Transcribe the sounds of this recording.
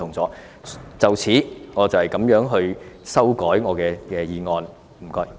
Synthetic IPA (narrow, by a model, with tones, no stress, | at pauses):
ʊ˨˩ŋt͡sɔː˨˥ | t͡sɐ˨wt͡sʰiː˨˥ŋɔː˨˧t͡sɐ˨whɐ˨˩jkɐ˨˥mjœː˨˥ŋɦɵ˧ɥsɐ˥wkɔː˨˥jŋɔː˨˧kɛː˧kɛː˧jiː˨˧ŋɔː˧n | m̩˨˩kɔː˧j